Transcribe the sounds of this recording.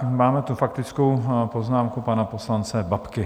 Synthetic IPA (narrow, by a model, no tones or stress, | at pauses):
maːmɛt̪ufakt̪ɪt͡skowpo̞znaːmkupanapo̞slant͡sɛbapkɪ